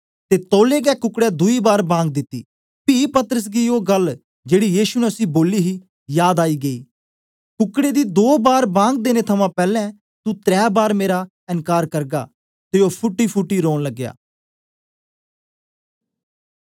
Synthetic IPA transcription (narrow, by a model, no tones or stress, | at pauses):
t̪eːt̪oːleːɡɛːkʊkːɽɛd̪ʊiːbaːɾbãːŋɡ̚d̪ɪt̪ːḭː | piːpɐt̪əɾəs̬ɡioːɡəl | d͡ʒeːɽijiːʃunɛʊsĩboːliːɦiː | jaːd̪aːiːɡɐḭː | kʊkːɽed̪id̪oːbaːɾbãːŋɡ̚d̪eːnet̪ʰɐmãːpɛːlɛ̃ | t̪ut̪ɾɛːbaːɾmeːɾa | ɪnkaːɾkɐɾɡa̰ː | t̪eoːpʰʊʈːipʰʊʈːiɾoːɽləɡːja̰ː